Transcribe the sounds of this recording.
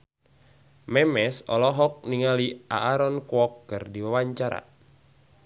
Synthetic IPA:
mɛmɛsɔ̰lɔɦɔk̚niŋaliʔa̰aɾɔnkwɔkːɨrdiwawaɲt͡ʃaɾa̰

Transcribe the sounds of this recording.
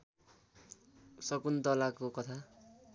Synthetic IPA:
sʌkunt̪ʌlakokʌt̪ʰa

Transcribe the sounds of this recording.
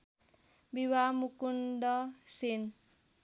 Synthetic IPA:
biwamukundʌsen

